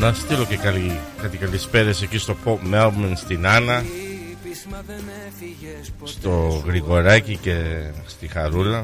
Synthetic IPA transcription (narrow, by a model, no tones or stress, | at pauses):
nɐst̪ilo̞cekɐlikɐt̪ikɐlispe̞ɾesecist̪o̞popmelvmenst̪inɐnɐ | st̪o̞ɣɾiɣo̞ɾɐcice̞st̪ixɐɾulɐ